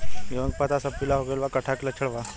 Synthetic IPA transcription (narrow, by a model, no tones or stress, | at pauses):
ʋəŋɡpat̪asapilaɦoɡelʋakəʈʰakilat͡ʃʰəɽʋa